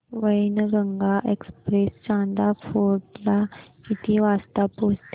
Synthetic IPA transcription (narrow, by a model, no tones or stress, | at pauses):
ʋəjnɡəŋɡaʔekspɾest͡ɕãnd̪afoɾʈla | it̪ʰiʋast̪apost̪